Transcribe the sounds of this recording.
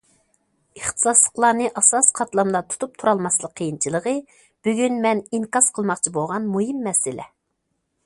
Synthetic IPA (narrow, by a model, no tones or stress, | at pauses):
əχt̪ʰɨ̥sɑslˠə̥qlˠɑnɨʔɑsɑsqʰɑt̪lˠɑmd̪ˠɑt̪ʰu̥t̪ʰup̚t̪ʰuɾɑlˠmɑslˠəqʰːəjint͡ʃʰilˠəʁə | b̥yɡʲynmɛniŋkɑsqʰəlˠmɑqt͡ʃʰibolˠʁɑnmuɦimːɛsɪlʔɛ̰